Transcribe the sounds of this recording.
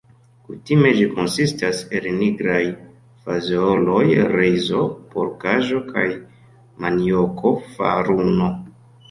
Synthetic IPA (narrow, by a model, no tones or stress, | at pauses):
kutime̞d͡ʒiko̞nsistase̞lniɡɾaj | fazeolo̞jɾezo̞po̰ɾkaʒo̞kʰa̰j | maniokʰo̞fa̰ɾuno̞